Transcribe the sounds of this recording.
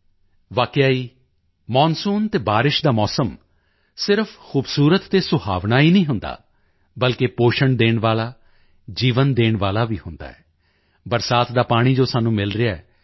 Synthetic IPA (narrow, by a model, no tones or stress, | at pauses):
ʋaːkɪjaːiː | mɔ̃ːnsuːnt̪eːbaːɾɪʃd̪aːmɔːsəm | sɪɾpʰxuːbsuːɾət̪ːeːsʊɦa̰ːʋnaːiːnəĩːɦʊnd̪a̰ː | bəlkepoːʃəɳd̪eːɳʋaːlaː | d͡ʒiːʋənd̪eːɳʋaːlaːʋiːhʊnd̪a̰ːɛ̰ː | bəɾsaːt̪d̪aːpaːɽ̃iːd͡ʒoːsaːnũːmɪlɾɪjaɛː